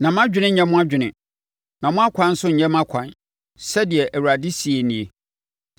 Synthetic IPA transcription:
nã˨m˦ã˦d͡ʑᶣɪ˦nɪ̃˦ɲ̩˦ɲɛ̃˦mʊ̃˦a˦d͡ʑᶣɪ˨nɪ̃˨ | nã˨mʊ̃˦a˦kʷʰã˦n̩˦sʊ˦ɲ̩˨ɲɛ̃˦mã˦kʷʰã˨n | sɛ˦dɪ˨ɛ˨ʔæ˨wu˨ɾa˨dɪ˦si˨e˨nĩ˨e˨

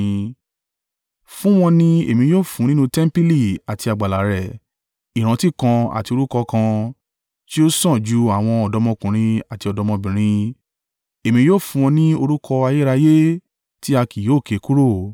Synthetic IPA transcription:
fũ˦w̃ɔ̃˧nĩ˦ḛ˨mĩ˧joː˦˨fũ˨˦nĩ˦nũ˦tɛ˦m˦pi˦li˦˨a˨ti˧a˨ɡ͡ba˨la˨ɾɛ˨ | i˨ɾ̃ã˨˧ti˦kã˧a̰˨ti˧o˧ɾu˦kɔ˧kã˧ | ti˦o˦sɔ̃˦˨d͡ʒu˨˦a˦˨w̃ɔ̃˧ɔ˧dɔ˧˦mɔ̃˧kũ˨ɾ̃ĩ˧a˨ti˧ɔ˧dɔ˧mɔ̃˧bĩ˨ɾ̃ĩ˧ | e˨mĩ˧˦joː˦˨fũ˧w̃ɔ̃˧nĩ˦o˧ɾu˦kʰɔ˧a˧je˦ɾa˧je˦ | ti˦a˧ki˨joː˦˨ke˨˦ku˦ɾo˦˨

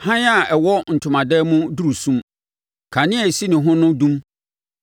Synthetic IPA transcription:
hã˦n˦a˨ɛ˨wɔ˦n̩˨tʰʊ̃˨mã˨dɛ˦mʊ̃˦du˦ɾu˨sũ˦m | kʰã˨nɪ̃˦ɛ˨si˦nɪ̃˨ɦʊ̃˦nʊ̃˦dũ˦m

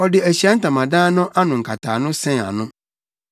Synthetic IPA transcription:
ɔ˨dɪ˨æ˨ɕi˨˦a˦n̩˦tã˨mã˨dãː˦nʊ̃˦ʔa˦nʊ̃˨ŋ̩˨kʰa˨tʰa̰ː˨nʊ̃˦sɛ̃˦ŋ˨a̰˨nʊ̃˦

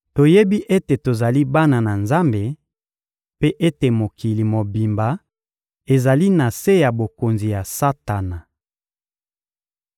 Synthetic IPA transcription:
to˨je˦bi˦ʔe˦te˨to˨za˨li˦ba˦na˨na˨nza˦mbe˨ | pe˦ʔe˦te˨mo˨ki˨li˨mo˨bi˨mba˨ | e˨za˨li˦na˨se˦ja˨bo˨ko˨nzi˨ja˨sa˦ta˨na˨

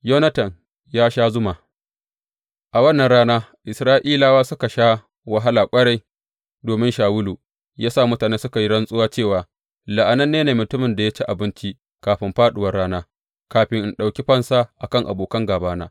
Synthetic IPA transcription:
jo˦nɐ˦tɐ˨n | jaː˦ʃaː˦zʊ˦maː˨ | ʔa˨wɐ˦˨nːɐ˨nɽaː˦naː˦ʔɪ˨sɾaː˦ʔiː˦laː˨waː˦sʊ˦ka˨ʃaː˦ | wɐ˨ɦa˦laː˨kʷʼɐ˦ɽa˦j | doː˨mɪ˦nʃaː˨wʊ˦luː˨ | jaː˦saː˦˨mʊ˦taː˨neː˦sʊ˦ka˨ji˦ɽɐ˦nsʼʊ˦waː˦t͡ʃeː˦˨waː˨ | la˨ʔa˨nɐ˦nːeː˦neː˨mʊ˨tʊ˦mɪ˨nda˨ja˦t͡ʃi˦ʔa˨bɪ˦nt͡ʃi˦ | kaː˨ɸɪ˦mɸaː˦ɗʊ˨wɐ˨rɽaː˦naː˦ | kaː˨ɸɪ˦ŋʔɪ˨nɗa˨wkʲi˦ɸɐ˦nsa˦ʔa˨kɐ˦ŋʔa̰˨boː˨kɐ˦ŋɡaː˨baː˦na̰ː˦

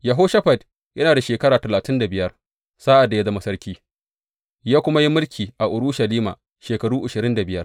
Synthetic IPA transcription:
jɐ˨ɦoː˦ʃɐ˦ɸa˨d | jɐ˦naː˨da˨ʃeː˨kɐ˦ɽaː˨tɐ˨laː˨tɪ˦nda˨bɪ˨jɐ˦r | sa˦ʔa˨dːa˨ja˦zɐ˦ma˦sɐ˦ɾkʲiː˦ | jaː˦kʷʊ˦ma˦ji˦mʊ˦lkʲʰiː˨ʔa˨ʔʊ˨ɽʊ˦ʃɐ˨liː˦ma̰ː˨ | ʃeː˨kɐ˨ɽuː˦ʔʊ˨ʃɪ˨ɾɪ˦nda˨bɪ˦jɐ˦r

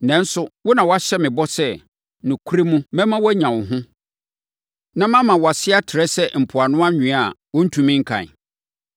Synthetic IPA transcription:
nɛ̃˨˦n̩˦sʊ˦wɔ˦nã˨wɔ˨˦a˦ɕɛ˦mɪ̃˨bɔ˦sɛ˦ | nʊ̃˨kʰu˦ɾi˦mũ˦mɛ̃˦mã˦wæ˦ɲã˨wʊ̃˨ɦʊ̃˦ | nã˦mã˦mã˨wa˨sɪ˦a˦tʰɪ˨ɾɛ˦sɛ˦m̩˨pʰʊ˨a˨nʊ̃˦a˦ɲᶣĩ˨a˨wɔ˦n̩˦tʰũ˨mɪ̃˦ŋ̩˦kʰã̰˨

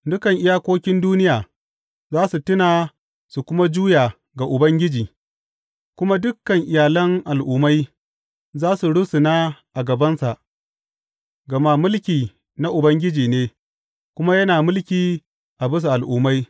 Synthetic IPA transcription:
dʊ˦kɐ˨ŋʔɪ˦jaː˦kʷoː˦kʲɪ˦nduː˦nɪ˦jaː˨ | zaː˦su˨tʊ˦naː˨ | su˨kʷʊ˦ma˦d͡ʒuː˦jaː˨ | ɡa˨ʔʊ˨bɐ˦ŋɡʲɪ˦d͡ʒiː˨ | kʷʊ˦ma˦dʊ˦kːɐ˨ŋʔɪ˨jaː˨lɐ˦ŋʔa˨lʔʊː˨ma˦j | zaː˦su˨ɽʊ˦su˨naː˦ʔa˨ɡɐ˨bɐ˦nsa˨ʔ | ɡɐ˨ma˦mʊ˦lkʲiː˨ | na˦ʔʊ˨bɐ˦ŋɡʲɪ˦d͡ʒiː˨neː˦ | kʷʊ˦ma˦jɐ˦naː˨mʊ˦lkʲiː˨ | ʔa˨bʊ˦s̬u˨ʔa˨lʔʊː˨ma˦j

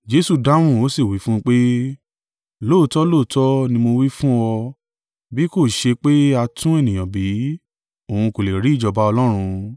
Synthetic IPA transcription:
d͡ʒe˦su˦˨da˦w̃ũ˦˨o˦si˦˨wi˨˦fũ˦˧k͡pe˦ | loː˦˨tɔ˦lo˦˨tɔ˦nĩ˧mo˧wi˦fũ˦ɔ˧ | bi˨˦ko˦˨ʃe˧k͡pe˦a˧tʰũ˦e˦˨nĩ˨j̃ã˨bi˨˦ | o˨hũ˧ko˨le˨ɾi˨˦˨d͡ʒɔ˧ba˦ɔ˧lɔ˦ɾ̃ũ˧

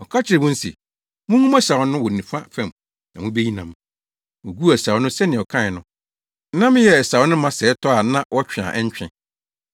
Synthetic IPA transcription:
ɔ˨kʰa˦t͡ɕʰɪ˨ɾɪ˨mʊ̃˦n̩˦sḭ˨ | mʊ̃˦ŋũ˦ma˦sa˨wnʊ̃˦wɔ˨nĩ˨fa˦fɛ̃˦˨m | nã˨mʊ̃˦be˦ɲi˦nã̰˨m | wʊ̃˨ɡu˦˨ɛ˨sa˨wnʊ̃˦sɛ˦nɪ̃˨ɔ˨kʰã˦ɪ˨nʊ̃˦ | nã˦m˦jɛ˨ɛ˨sa˨wnʊ̃˦mã˦sɛː˨˦tʰɔ˦a˨nã˦wɔ˦t͡ɕᶣɪ˨ã̰˨ʔɛ˦ɲ˦t͡ɕᶣɪ̰̃˦˨

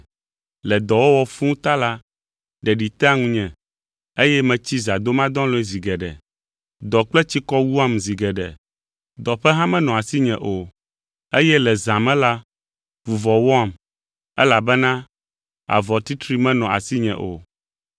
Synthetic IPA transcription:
lɛ˨d̪ɔ˨wo˦wɔ˦fũ˦t̪a˦la˦ | ɖɛ˨ɖi˨t̪a˦ŋũ˦ɲɛ̃˨ | e˦jɛ˦mɛ̃˨t͡ɕi˦za˨d̪o˦mã˦d̪ɔ̃˦lɔ˦ɛ˦zi˨ɡɛ˨ɖɛ̰˨ | d̪ɔ˨k͡plɛ˦t͡ɕi˦kɔ˦wu˦a˦mzi˨ɡɛ˨ɖɛ̰˨ | d̪ɔ˨ɸɛ˦ɦã˦mɛ̃˦nɔ̃˨a˨si˦ɲɛ̃˨ʔo˨ | e˦jɛ˦lɛ˨zã˨mɛ̃˦la˦ | vu˨vɔ˨wɔ˦a˨m | ɛ̰˦la˨bɛ˦nã˦ | a̰˨vɔ˨t̪i˦t̪ɾi˦mɛ̃˦nɔ̃˨ʔa̰˨si˦ɲɛ̰̃˨ʔo̰˨

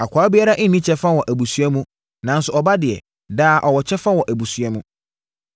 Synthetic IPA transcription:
a˨kʰʷaː˨˦bɪ˦a˦ɾa˦ʔɪ˦nĩ˦t͡ɕʰɛ˦fã˦wɔ˨ʔæ˨bu˨su˦ɛ˦mũ˦ | nã˨n˦sʊ˨ɔ˨ba˦dɪ˨ɛ̰˨ | daː˦˨ʔɔ˨wɔ˨t͡ɕʰɛ˦fã˦wɔ˨ʔæ˨bu˨su˨˦ɛ˦mũ˦

